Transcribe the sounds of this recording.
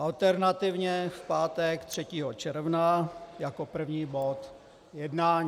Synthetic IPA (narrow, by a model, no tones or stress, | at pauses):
ʔalt̪ɛɾnat̪ɪvɲɛfpaːt̪ɛkt̪r̝̥ɛciːɦot͡ʃɛɾvnajako̞pr̩vɲiːbot̪ | jɛdnaːɲ